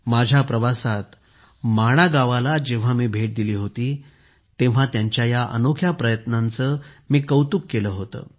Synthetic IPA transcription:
mad͡ʑʱjapɾəʋasat̪ | maɽ̃aɡaʋalad͡ʑeʋ̤amiːbʱeʈ̚d̪iliːɦot̪iː | t̪ẽʋ̤at̪jaɲt͡ɕjajaʔə̰nokʰjapɾəjət̪nant͡səːmiːkəwt̪ukːeləːɦot̪ə̰ː

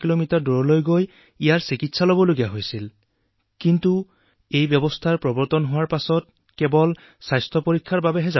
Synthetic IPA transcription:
kilomitaɹduɹɔlojɡoj | ijaɹsikitsalɔbɔloɡijaɦojsil | kintu | ejbjɔbɔstʰaɹpɹɔbɔɹtɔnɦʊwaɹpasɔt̚ | kɛbɔl | sajstʰɔpoɹikʰːaɹbabɛɦɛza

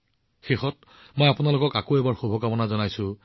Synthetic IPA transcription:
xexɔt | mɔjapʊnalʊkɔkakoɛbaɹxobʱɔkamɔnazɔnajsʊ̃

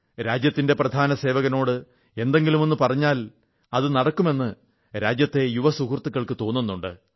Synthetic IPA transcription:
ɾaːd͡ʑjɐt̪ːinde̞prɐd̪ʱaːnɐse̞ːʋɐɣɐno̞ːɽɨ | e̞nd̪e̞ŋɡilumo̞nːupɐrɐɲːaːl | ɐðɨnɐɽɐkːume̞nːɨ | ɾaːd͡ʑjɐt̪ːe̞juʋɐsukurt̪ːukːɐɭkɨt̪o̞ːnːunːuɳɖɨ̰

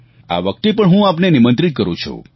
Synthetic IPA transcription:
a̰ʋək̚t̪epəɳɦũapnenimə̃nt̪ɾit̪̚kəɾṵ̃t͡ʃʰṵ

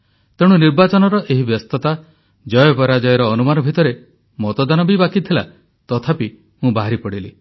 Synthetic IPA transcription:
t̪eɽ̃uniɾbat͡ʃɔnɔɾɔʔeɦibjɔst̪ɔt̪a | d͡ʒɔjɔbɔɾad͡ʒɔjɔɾɔːnumanɔbʱit̪ɔɾe | mɔt̪ɔd̪anɔbibakit̪ʰela̰ | t̪ɔt̪ʰapi | mũbaɦaɾipɔɽilḭ

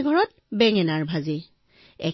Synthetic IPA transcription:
ɡʱɔɹɔt̚bɛŋɛnaɹbʱazi | ɛ

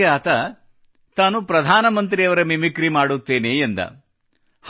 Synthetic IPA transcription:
aːt̪ɐ | t̪aːnupɾɐd̪ʱaːnɐmɐnt̪̬ɾijɐʋɐɾɐmimikɾimaːɽut̪ːeːneend̪ɐ̰ | h

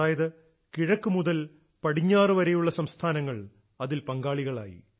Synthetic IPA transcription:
aːjɐðɨ | kiɻɐkːumuðɐl | pɐɽiɲːaːrɨʋɐɾejuɭːɐsɐmst̪ʰaːnɐŋːɐɭ | ɐðilpɐŋɡaːɭiɣɐɭa̰ːjḭ

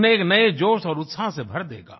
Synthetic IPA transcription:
neːknɐed͡ʒoːʃɔːɾʊt̪sasebʱɐɾd̪ḛːɡa̰ː

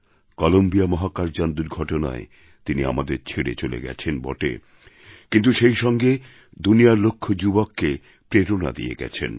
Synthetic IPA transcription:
kɔlombijamɔɦakaɾd͡ʑand̪uɾɡʱɔʈona̰e | t̪inia̰mad̪eɾt͡ɕʰeɽet͡ɕolḛɡɛ̰t͡ɕʰenbɔ̰ʈḛ | kint̪uʃejʃɔŋɡe | d̪unijaɾlokʰːod͡ʑubokːe | pɾeɾona̰d̪ḭjḛɡɛ̰t͡ɕʰḛn

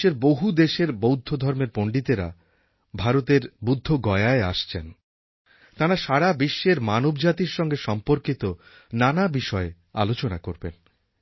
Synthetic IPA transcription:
eɾboɦud̪eʃeɾbowd̪ʱːod̪ʱɔɾmeɾpoɳɖit̪eɾa̰ | bʱaɾot̪eɾbud̪ʱːoɡɔeaea̰ʃt͡ɕʰen | t̪aɾaʃaɾabiʃːeɾmanobd͡ʑat̪iɾʃɔŋɡeʃɔmpoɾkit̪o | nanabiʃɔe | a̰lot͡ɕonakoɾbḛn

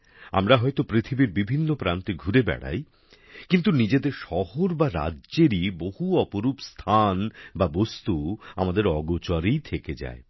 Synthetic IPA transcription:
a̰mɾaɦɔet̪opɾit̪ʰibiɾbibʱinːopɾant̪iɡʱuɾebɛ̰ɽa̰j | kint̪unid͡ʑed̪eɾʃɔhoɾbaɾa̰dʑeɾibohuɔpoɾupst̪ʰanbabost̪ua̰mad̪eɾɔɡot͡ɕaɾijt̪ʰeked͡ʑa̰e

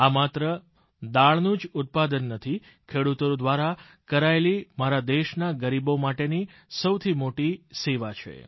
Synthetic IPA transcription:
amat̪ɾə | d̪aɭnũd͡ʒʊt̪̚pad̪ənːət̪ʰi | kʰeɽut̪od̪ʋaɾa | kəɾaelimaɾad̪eʃnaɡəɾibomaʈenisəwt̪ʰimoʈiseʋat͡ʃʰḛ

